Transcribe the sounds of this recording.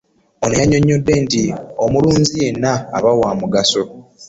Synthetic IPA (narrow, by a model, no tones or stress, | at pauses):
onejaɲːo̞ɲːo̞dːe̞ntiomuluːɲzije̞nːa̰ːβawaːmuɡaso̞